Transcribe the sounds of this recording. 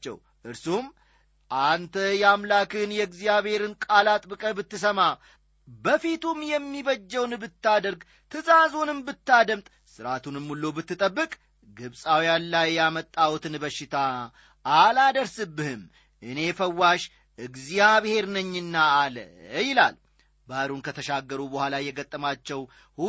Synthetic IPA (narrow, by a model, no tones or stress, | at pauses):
t͡ʃːɛ̰w | ʔɨɾsum | ʔant̪ʰəjɛamlakɨnjɛɡzijaβhe̞ɾɨnkʼalat̪ʼbɨkʼəbɨt̪ːɨsəma | bəfit̪umjɛmːiβəd͡ʒːɛwnbɨt̪ːad̪əɾɡ | t̪ʰɨzazonɨmbɨt̪ːad̪əmt̪ʼ | sɨɾat̪ʰunɨmːulːobɨt̪ːɨt̪ʼəbːɨkʼ | ɡɨβsʼawijanlajːamət̪ʼːawt̪ɨnbəʃːɪt̪ʰa | ʔalad̪əɾsɨbːɨhɨm | ʔɨne̞fəwːaʃ | ʔɨɡzijaβhe̞ɾnəɲːɨnːaːləjɪla̰l | baɾunkʰət̪ʰəʃaɡːəɾubəhʷalajɛɡət̪ʼːəmat͡ʃːɛw | hu